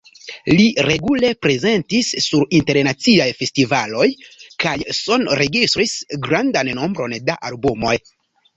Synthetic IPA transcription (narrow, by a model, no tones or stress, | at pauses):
liɾe̞ɡule̞pɾe̞ze̞ntisːuɾinte̞ɾnat͡siajfe̞stivalo̞jkajso̞nɾe̞ɡistɾisɡɾandanːo̞mbɾo̞ndaʔalbumo̞j